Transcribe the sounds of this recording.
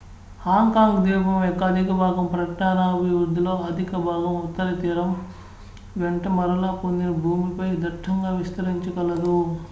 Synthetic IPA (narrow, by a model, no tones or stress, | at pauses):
haːŋkaːŋɡd̪iːbʱɐmekːɐd̪ʱikɐbʱaːɡɐmpɾɐknaːnaːbʱiʋɾud̪ʱːilo̞ːɐd̪ʱikɐbʱaːɡɐmut̪ːɐɾɐt̪iːɾɐm | ʋeɳʈɐmɐɾɐlaːpond̪inɐbʱuːmipɐjd̪ɐʈʰːɐŋɡaːʋist̪ɐɾiɲt͡ʃɐkɐlɐd̪u